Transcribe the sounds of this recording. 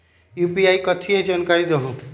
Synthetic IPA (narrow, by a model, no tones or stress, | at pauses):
jupiaikɔt̪ʰied͡ʒankaɾid̪ɔɦũ